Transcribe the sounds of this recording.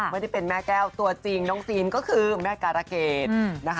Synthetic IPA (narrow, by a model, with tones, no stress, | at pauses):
m˥˩jda˥˩pe˧˨nmɛː˥˩kɛː˥˩wt̪u˧˩ɐt͡ɕi˧˩ŋnɔː˦˥ŋsiː˧nkɔː˥˩kʰɯː˧mɛː˥˩kaː˧ɾa˧˩keː˨˩t̪̚na˦˥kʰa˥